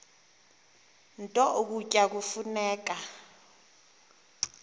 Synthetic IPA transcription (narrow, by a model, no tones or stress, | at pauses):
ntʼɔʔuk̬ucʼak̬ufunɛːk̬a